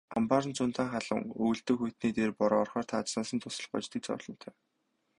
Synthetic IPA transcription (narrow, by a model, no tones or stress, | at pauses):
a̰mpar̆nt͡sʊnt̪aːŋχaɮə̰̆ŋuj̆ɬt̪ɵ̆ːxujʰt̪niːt̪eːrpɔɾɔrχɔːr̥t̪ʰaːt͡ɕnaːsə̆nt̪ʰʊsə̆ɮɢɔ̰t͡ɕt̪ĭt͡sɔ̰ːɮ̥ɞ̆n̥t̪ʰœː